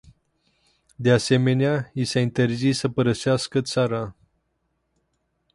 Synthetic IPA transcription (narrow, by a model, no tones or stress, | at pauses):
d̪ease̞me̞neaisaint̪e̞rzissəpəɾəseaskət̪saɾa